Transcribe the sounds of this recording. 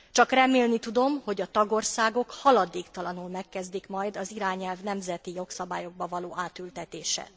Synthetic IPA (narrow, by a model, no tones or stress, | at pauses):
t͡ʃɒkrɛmeːlnit̪ud̪o̞mho̞ɟɒt̪ɒɡo̞rsaːɡo̞khɒlɒd̪eːkt̪ɒlɒnulmɛkːɛzd̪ikmɒjd̪ɒziɾaːɲɛlvnɛmzɛt̪ijo̞ksɒbaːjo̞ɡ̚bɒvɒloːaːt̪ylt̪ɛt̪eːʃɛ̰